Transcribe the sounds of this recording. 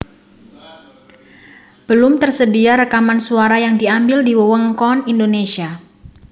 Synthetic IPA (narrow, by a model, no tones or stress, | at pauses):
b̥əlʊmt̪ərsədiaɾəkamansuaɾajaŋdiambɪldiwəwəŋkɔnindonesia